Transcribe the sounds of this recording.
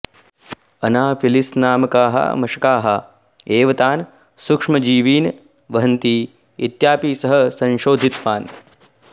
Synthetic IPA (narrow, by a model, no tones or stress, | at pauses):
ɐnaːfilisnaːmɐkaːɦɐ̰mɐʃɐkaːɦɐ | eːʋɐt̪aːn | sukʂmɐd͡ʒiːʋiːn | ʋɐɦɐnt̪i | it̪jaːpiːsɐɦɐsɐ̃nʃoːd̪ʱit̪ʋaːn